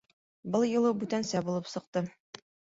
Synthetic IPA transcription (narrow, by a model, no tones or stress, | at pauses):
bɤlˠjɤ̆lˠɤbʉt̪ænsæbulˠɤpsɤ̆q̚t̪ɤ